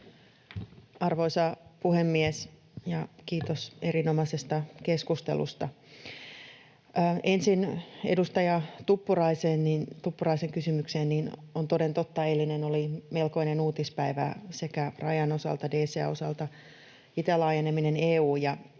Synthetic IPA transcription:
ɑrʋoisɑpuhemːies | jɑkiːt̪oseɾinomɑsest̪ɑkeskust̪ḛlṵst̪ɑ | ensinedust̪ɑjɑt̪upːurɑiseːnnint̪upːurɑiseŋkysymykseːnninont̪odent̪ot̪ːɑelinenolimelko̞inenuːt̪ispæiʋæ̰sekærɑjɑno̞sɑ̰lt̪ɑdeːseæ̰o̞sɑlt̪ɑ | it̪ælɑːjenemineneːuːjɑ

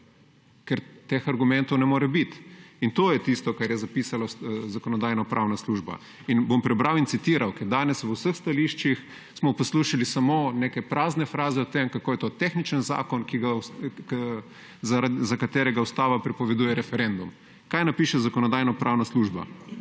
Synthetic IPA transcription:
kɛɾt̪ːexaɾɡumɛnt̪ɔwnɛmoːɾɛbit̪int̪oːjɛt̪ist̪ɔkaɾjɛzapisalazakɔnɔd̪aːjnɔpɾʔawnasluːʒba̰ | inbompɾɛbɾawint̪sit̪iɾawkɛɾd̪aːnɛsʋəwsəxst̪aliʃt͡ʃix | smɔposluʃilisamonekɛpɾaːznɛfɾaːzɛɔt̪emkakoːjɛt̪ot̪exnit͡ʃənza̰ːkɔnkiɡas | zaɾazakat̪eːɾɛɡawst̪aːʋapɾɛpɔʋɛd̪uːjɛɾɛfɛɾend̪um | kajnapiːʃɛzakɔnɔd̪aːjnɔpɾʔawnasluʒba̰

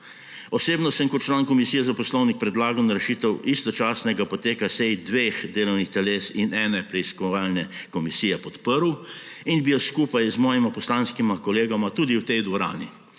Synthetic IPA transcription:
ɔseːbnɔsəmkɔt̪̚t͡ʃlaːnkɔmisijɛzapɔslɔwnik̚pɾɛd̪laːɡawnaɾɛʃiːt̪ɛwʔist̪ɔt͡ʃaːsnɛɡapɔt̪eːkasɛjd̪ʋeːxd̪eːlɔwnixt̪ɛleːsinɛːnɛpɾɛiskɔʋaːlnɛkɔmisiːjɛpɔt̪pəɾw | inbijɔskuːpajzmɔːjimapɔslaːnskimakɔleːɡɔmat̪uːd̪iwt̪ɛjd̪ʋɔɾa̰ːni

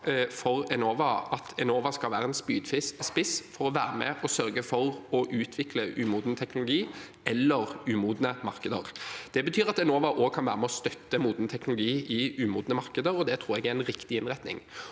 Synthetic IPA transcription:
fɔɾɛnoːʋɑɑt̪ʰɛnoːʋɑskɑlʋæːɾəɛnspyːd̪fɪsspɪsfɔɾɔʋæːɾəmɛ̰ʔɔsœɾɡəfɔɾɔʔʉːt̪ʰʋɪkləʔʉ̰ːmuːd̪nt̪ʰɛknʊlʊɡiː | ɛlːəɾʉːmuːd̪nəmɑɾkəd̪ə̰ɾd̪̥ɛbət̪ʰyːɾɑt̪ɛnoːʋɑʔoːɡ̚kʰɑnʋæ̰ːɾəmɛɔst̪œt̪ːəmuːd̪nət̪ʰɛknʊlʊɡiːɪʉːmuːd̪nəmɑʁkəd̪əɾɔd̪ɛt̪ʰɾuːɾɛɡæɾɛnɾɪkt̪ɪɪnʁæt̪nɪ̰ŋ

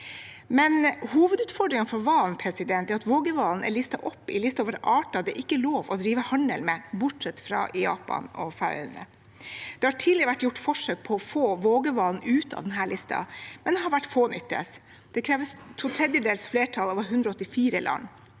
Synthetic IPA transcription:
mɛnhuːʋəd̪ʉːt̪fɔɖɾɪŋnfɔɾʋɑːlnpʰɾɛsɪd̪ɛnt̪ɛːɾɑt̪ʋoːɡəʋɑːln̩æ̰ɭɪst̪ɑʔɔpːɪlɪst̪ɑʋɑɾəʔɑːʈɑd̪ɛʔɪkːəloːʋɔd̪ɾiːʋəhɑnəlmɛbʊʈʂɛt̪ːfɾɑ̰ʔjɑ̰ːpɑ̰nɔfæ̰ɾ̰nə̰ | d̪̥ɛhɑʈʰiːlɪɾəʋæʈːjʊʈːfɔʂøːk̚pʰɔɔfoːʋoːɡəʋɑːln̩ʉːt̪ʰɑ̰d̪ɛnɦæːɭʔɪst̪ʰɑ̰mɛnd̪ɛɦɑɾʋæʈːfoːnʏt̪ːə̰s | d̪̥ɛkʰɾɛːʋəst̪ʰut̪ʰɾɛd̪jəd̪eːlsfleːʈʰɑlɑːʋəɦʉnd̪ɾɔɔt̪ːɪfiːɾəlʔɑ̰n

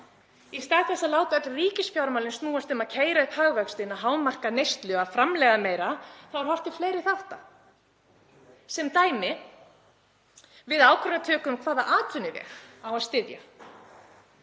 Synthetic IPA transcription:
ist̪aːɣθɛsalaːwk̪aɛt̪lriːcɪsfjawɾmawlɪnst̪nuːast̪ʏmaðcʰeːjɾaʏpʰaːɣvœkst̪ɪnaɦaːwmar̥kanejst̪lʏɣafɾamlɛɣameːjɾaθawaɾ̥hɔft̪ɪ̥fleːjɾɪθaht̪a̰ | sɛmt̪aːjmɪ | vɪðaːwkʰœɾnat̪ʰœːkʏmkʰv̥aːðaʔaːt̪vʏnːɪvɛ̰ːɣawaðst̪ɪðja̰

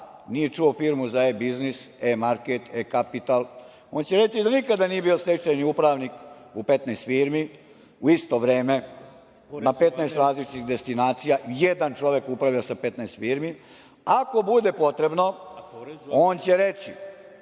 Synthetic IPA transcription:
nijet͡ʂuofiːɾmuzaebiznisemaɾket̪ekapit̪al | o̞ːnt͡ɕeɾe̞t͡ɕid̪anikad̪anije̞bijost̪et͡ʃeniupɾaːʋnik | upe̞t̪nast̪fiːɾmi | uist̪o̞ʋɾe̞ːme̞ | nape̞t̪naest̪ɾaːzlit͡ʃt̪id̪e̞st̪inaːt̪sijajed̪ant͡ʂo̞ʋe̞kupɾaʋjiosape̞t̪nast̪fiːɾmi | ako̞bud̪epo̞t̪ɾe̞bno̞ | o̞ːnt͡ɕeɾet͡ɕi

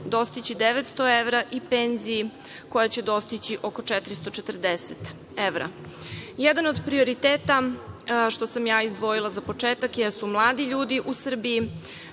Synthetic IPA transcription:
d̪o̞st̪it͡ɕid̪eʋet̪st̪o̞eʋɾaʔipenzii | ko̞jat͡ɕed̪o̞st̪it͡ɕiʔo̞ko̞t͡ʂɛt̪ɾist̪o̞t͡ʃet̪r̩d̪eset̪ | eʋɾa̰ | jed̪anod̪pɾio̞ɾit̪eːt̪a | ʃt̪o̞samjaːizd̪ʋo̞jilˠazapo̞t͡ʂeːt̪akjesumlˠaːd̪iʎuːd̪iʔusr̩biː

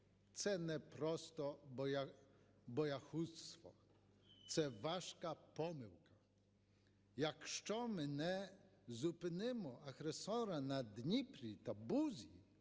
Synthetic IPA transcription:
t̪sɛnɛpɾɔst̪ɔbɔ | bɔjaxust̪ʋɔ̰ | t̪sɛʋaʃkapɔmɪwkɐ | jakʃt͡ʃɔmenɛzupɪnɪmɔɐɣɾesɔɾanɐd̪nʲipɾʲit̪abuzʲi

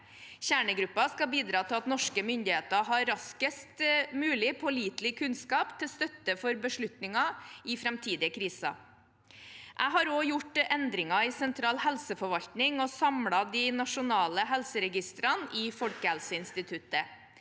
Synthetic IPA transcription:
çæːɳəɡɾʉpːɑskɑbiːd̪ɾɑːt̪ʰɪlɑt̪nɔʂkəmʏnd̪ɪheːt̪ɑɦɑɾɾɑskəst̪mʉːlɪpʰɔliːt̪lɪkʰʉnskɑːpt̪ʰɪlst̪œt̪ːəfɔɾbəʂɭʉt̪nɪŋɑɪfɾɛmt̪ʰiːd̪ɪəkʰɾiːsɑ̰ | ʔæɪɦɑɾoːjʊʈɛnd̪ɾɪŋɑɪsɛnt̪ʰɾɑːlhɛlsəfɔɾʋɑʎt̪nɪŋɔsɑmɽɑd̪iːnɑʂʊnɑːləɦɛlsəɾɛɡɪst̪ɾɑnɪːfɔlkəhælsəɪnst̪ɪt̪ʰʉt̪ə

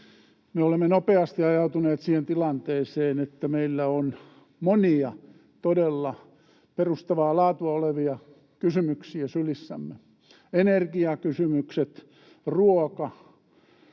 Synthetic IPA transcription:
meolemːenopeɑst̪iɑjɑut̪uneːt̪siːhent̪ilɑnt̪eːseːnet̪ːæmeilːæon | moniɑ | t̪odelːɑ | perust̪ɑʋɑːlɑːt̪uɑoleʋiɑ | kysymyksiæsylisːæ̰mːe | enerkiɑkysymykset̪ | ruokɑ

